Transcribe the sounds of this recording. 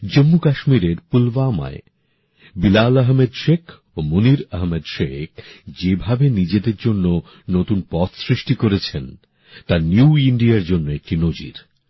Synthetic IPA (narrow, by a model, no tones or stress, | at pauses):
d͡ʑomːukaʃmiɾeɾpulvama̰e | bilaləɦmed̪ʃekʰ | omuniɾɐɦmed̪ʃekʰd͡ʑebʱabenid͡ʑed̪eɾd͡ʑonːo | not̪unpɔt̪sɾiʃʈikoɾet͡ɕʰen | t̪aɾnjuiɳɖiaɾd͡ʑonːoek̚ʈinod͡ʑḭɾ